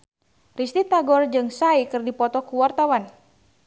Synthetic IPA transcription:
rist̪it̪aɡɔrd͡ʒɨŋsaikɨrdipɔt̪ɔkuwart̪awan

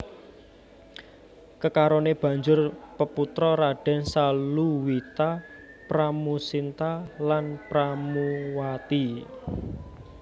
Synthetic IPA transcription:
kəkaɾoneb̥a̤ɲd͡ʒʊrpəput̪ɾɔɾaɖ̥ɛ̤nsalluwit̪a | pɾamusint̪alanpɾamuwat̪i

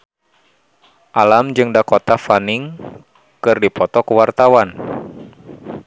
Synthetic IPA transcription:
ʔalamd͡ʒɨŋdakot̪afaniŋ | kɨrdipɔt̪ɔkəwart̪awan

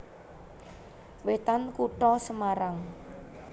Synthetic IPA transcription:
wet̪ankuʈɔsəmaɾaŋ

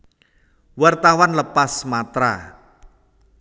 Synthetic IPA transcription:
wart̪awanləpasmat̪ɾa̰

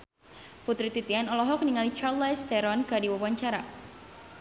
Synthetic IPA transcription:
put̪ɾit̪it̪ianɔlɔɦɔk̚niŋalit͡ʃart̪lajst̪ɛɾɔnkadiwawaɲt͡ʃaɾa

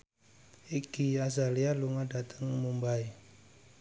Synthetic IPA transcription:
ikijazalialuŋadat̪ʰəŋmumbai

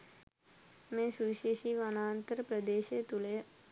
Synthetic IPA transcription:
mẽsuʃeʃiʋanaːnt̪əɾpɾəd̪eːʃet̪ule

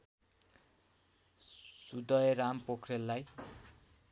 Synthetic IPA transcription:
sud̪ʌjɾampokʰrelːaj

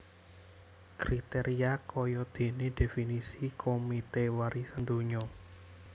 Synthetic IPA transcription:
kɾit̪eɾiakɔjɔd̪̥e̤neɖ̪̥e̤finisikʰomit̪ewaɾisand̪oɲɔ

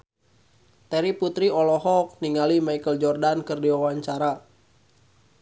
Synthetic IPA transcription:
t̪ɛɾiput̪ɾiɔlɔɦɔk̚niŋalimaikəld͡ʒɔrdankərdiwawaɲt͡ʃaɾa

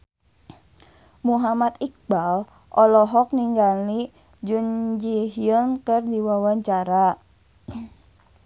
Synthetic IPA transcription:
muɦamat̪ik̚bal | ʔɔlɔɦɔk̚niŋɡali | d͡ʒund͡ʒiɦijənkərdiwawaɲt͡ʃaɾa

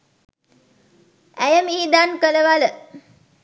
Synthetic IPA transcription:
æjəmiːd̪ankələʋalə

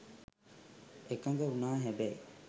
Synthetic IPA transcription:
ekɐŋɡeunaːɦæbæi

